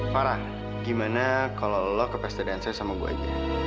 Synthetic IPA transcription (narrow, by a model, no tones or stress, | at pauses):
paɾah | ɡimanakalolɔkəpɛst̪adɛansasamaɡua̰ḭd͡ʒṵ